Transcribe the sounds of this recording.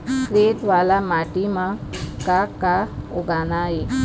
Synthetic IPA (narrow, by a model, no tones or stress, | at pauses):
kɾeʈʋalamaʈimãkakaoɡanaɦe